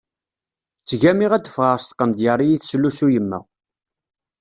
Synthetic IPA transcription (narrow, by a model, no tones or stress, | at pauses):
t͡sːʝæmiʁæd̪əfʁəɾst̪qːənd̪jərˤːijiθsəlːusujəmːæ̰